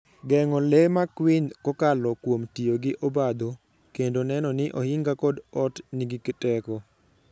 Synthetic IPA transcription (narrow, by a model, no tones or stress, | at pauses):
ɡɛŋɔlemakwɪnkɔkalɔkwomtioɡɪʔobad̪o | kendonɛnɔnɪʔɔhɪŋɡakɔdɔtniɡɪkɛtɛkɔ